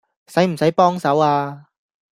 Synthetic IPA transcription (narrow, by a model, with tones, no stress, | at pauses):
sɐ˨˥jm̩˨˩sɐ˨˥jpɔː˥ŋsɐ˨˥waː˧